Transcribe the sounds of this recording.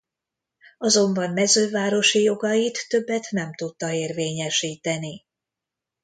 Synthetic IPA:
ɒzo̞mbɒmːɛzøːvaːɾo̞ʃijo̞ɡɒjit̪ːø̞bːɛt̪nɛmt̪ut̪ːɒeːrveːɲɛʃiːt̪ɛni

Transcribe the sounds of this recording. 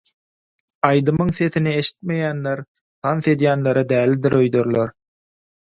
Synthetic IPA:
ɑjd̪ɯmɯŋθe̞θinie̞ʃi̥t̪̚me̞jæːnleɾ | t̪ʰɑnθe̞d̪jæːnleɾɑd̪æːlːid̪iɾø̞jd̪øɾloɾ

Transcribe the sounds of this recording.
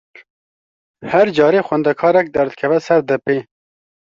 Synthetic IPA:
hɛɾd͡ʒɑːɾeːxwɛnd̪ɛkʰɑːɾɛk̚d̪ɛɾd̪kʰɛvɛsɛɾd̪ɛpeː

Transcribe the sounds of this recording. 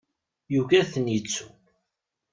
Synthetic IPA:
juʝæθənjit͡sːu̥

